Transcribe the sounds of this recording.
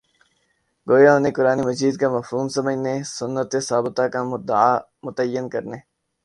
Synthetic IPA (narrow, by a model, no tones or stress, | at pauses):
ɡoːjaoːnekʊɾaːnemɐziːd̪̚kamɐfɦuːmsɐməd͡ʒʱnesʊnːət̪esaːbət̪akamʊd̪əaː | mʊt̪əjːənkɐɾneː